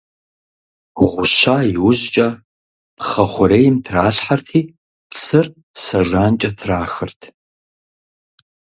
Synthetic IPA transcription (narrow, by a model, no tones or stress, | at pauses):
ʁʷʊʃaːjɪwʊʑt͡ʃʼɐ | χɐχʷʊɾeːjɪmtʰraːɬħartʰiː | psʰɨr | sɐʐaːnt͡ʃʼɐtʰraːxɨrtʰ